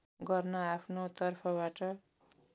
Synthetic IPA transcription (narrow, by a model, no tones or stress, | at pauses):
ɡʌrnʌapʰnot̪ʌrpʰʌbaʈʌ